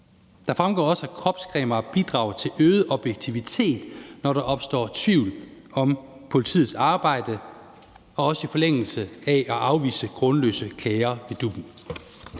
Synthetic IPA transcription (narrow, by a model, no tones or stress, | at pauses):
d̥ɑ̈fʁamɡ̥ɒ̰ːɒ̽sækʰʁɒ̽b̥skʰʁɛ̰ːmɐb̥id̥ʁɑ̈ʊt͡sʰe̝løːð̩ˠəʔɒ̽b̥jeɡ̥̚t͡sʰiʋit͡sʰe̝̰ːd̥nɒɾɑ̈ʔɒ̽b̥sd̥ɒ̰ːt͡sʰʋiʊ̰lɒ̽mpʰo̝lit͡sʰḭð̩ˠsɑ̈ːb̥ɑ̈ɪ̰d̥ə | ɒ̽ɒ̽səifɒ̽leŋ̰l̩səæʔæʔɑ̈ʊʋḭːsəɡ̥ʁɔ̽nlø̰ːsəkʰlɛːɪɐʋed̥ub̥n̩